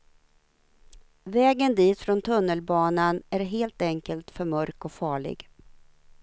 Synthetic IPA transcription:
vɛːɡənd̪iːt̪fɾɔnt̪ʰɵnːəlbɑːnanæɾɦeːlt̪ɛŋkəlt̪fœɾmœɾkɔfɑːɭɪ̰ɡ

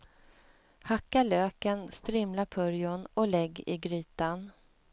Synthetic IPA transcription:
hakːaɭøːkənst̪ɾɪmlapʰɵɾjʊnɔlɛɡːɪ̰ɡɾyːt̪an

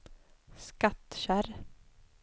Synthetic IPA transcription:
skat̪ɕæɾ

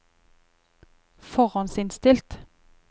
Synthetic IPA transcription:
fɔʁɑnsɪnst̪ɪlt̪

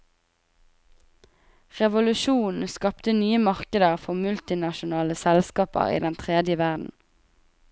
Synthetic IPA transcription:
ʁɛʋʊlʉʃuːnn̩skɑpt̪ənyːəmɑʁkəd̪əʁfɔmʉlt̪ɪnɑʃʊnɑːləsɛlskɑːpə̰ʁḭːd̪ɛnt̪ʰʁeːd̪jəʋæʁd̪n̩

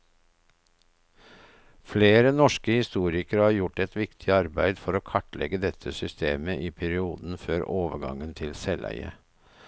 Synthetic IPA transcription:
fleːɾənɔʃkəhɪst̪uːɾɪkəɾhɑːɾjʊʈɛt̪ʋɪkt̪ʰɪɑɾbæɪd̪fɔɾoːkʰɑʈlʔɛ̰ɡəd̪ɛt̪ʰəsʏst̪eːməʔiːpʰæɾɪuːd̪n̩føːɾʔoːʋəɡɑ̰ŋənt̪ʰɪlsɛlæ̰ɪə̰

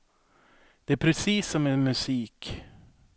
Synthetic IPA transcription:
d̪̥ɛæɾpʰɾɛsiːsːɔmɛmɵsiːk

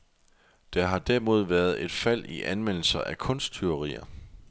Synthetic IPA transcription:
d̥ɑ̈ɦɑ̈d̥æɐmo̝ð̞ˠʋæːɐð̞ˠe̝d̥fæl̰iʔænmen̰l̩sɐʔækʰɔ̽n̰sd̥̚t͡sʰyʁḭːɐ

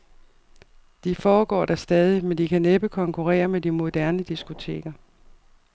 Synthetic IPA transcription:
d̥ifɒːɡ̥ɒ̰ːd̥æsd̥ɛːð̞ˠimend̥ikʰæneb̥əkʰɒ̽ŋkʰuʁɛ̰ːɐmed̥imo̝d̥æɐnəd̥isɡ̥o̝t͡sʰe̝̰ːɡ̥ɐ

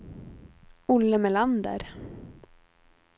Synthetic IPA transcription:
ʊlːəmɛland̪ə̰ɾ

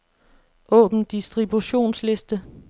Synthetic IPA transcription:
ʔɔ̰̽ːb̥n̩d̥isd̥ʁib̥uɕo̝̰ːnsle̝sd̥ə

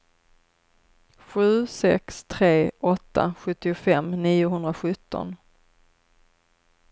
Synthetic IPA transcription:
ɧʉ̟ːsɛ̰kst̪ʰɾeːʔɔt̪ʰːa̰ɧɵt̪ːɪʊfɛmːniːʊɦɵnd̪ɾaɧɵt̪ːɔ̰n

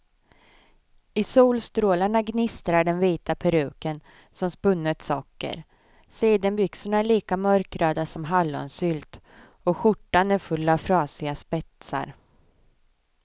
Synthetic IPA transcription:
ɪsuːlst̪ɾoːlaɳaɡnɪst̪ɾaɖɛnviːt̪apʰɛɾʉ̟ːkən | sɔmspɵnːət̪sɔːkːə̰ɾ | siːd̪anbʏksʊɳaæɭiːkamœɾkɾøːd̪asɔmɦalːɔ̰nsʏːlt̪ | ɔɧʊʈːanæɾfɵlːavfɾɑːsɪɡaspɛt̪sa̰ɾ

